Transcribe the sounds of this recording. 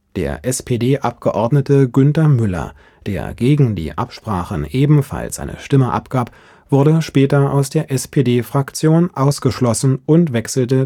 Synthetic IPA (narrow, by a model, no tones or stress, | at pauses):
d̥ḛːɐʔɛspʰedeːʔap̚ɡ̥əʔɔɐdnətəɡʏntɐmʏlɐ̰ | d̥ḛːɐɡeːɡŋ̩dḭːʔa̰pʃpʁ̥a̰ːχən̩ʔeːbm̩fa̰lsʔa̰ɪnə̰ʃtɪməʔa̰pɡ̥aːp | v̥ʊɐdəʃpɛːtɐaʊsd̥eːɐʔɛspʰeːdeːfʁ̥akt͡sjoːnʔaʊsɡ̥əʃlɔsn̩ʔʊntv̥ɛksl̩tə